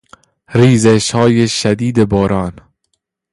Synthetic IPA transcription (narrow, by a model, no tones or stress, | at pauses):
ɾiːzeʃhɒːjeʃæd̪iːd̪ebɒːɾɒːn